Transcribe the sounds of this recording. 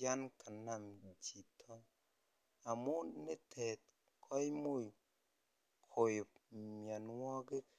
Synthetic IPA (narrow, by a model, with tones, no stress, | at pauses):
a˦nkʰa˨na˨md͡ʒi˨tʰɔ˦ | a˨mo˦ne˦tʰe˨t̚ | kʰɔ˦jmo˦˨ | kʰo˨jmja˨nwɔ˦ɡɪ˦